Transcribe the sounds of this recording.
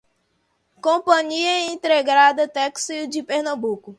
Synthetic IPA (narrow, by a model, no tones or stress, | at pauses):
kõpɐ̃ɲiɐĩt̪ɾeɡɾad̪ɐt̪ɛksiwd͡ʒɪpeɾnɐ̃bukʊ